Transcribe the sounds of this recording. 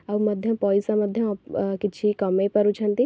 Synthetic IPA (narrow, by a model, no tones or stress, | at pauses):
ɐbmɐd̪ʱjɐpɔːjsamɐd̪ʱjõkɪt͡ʃʰikɐmepɐɾut͡ʃʰɐnt̪i